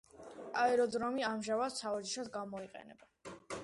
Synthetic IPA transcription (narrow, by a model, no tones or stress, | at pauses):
aɛɾɔd̪zɾɔmiamʒavat̪savad͡ʒiʃad̪ɡamɔiqʼɛ̰nɛ̰ba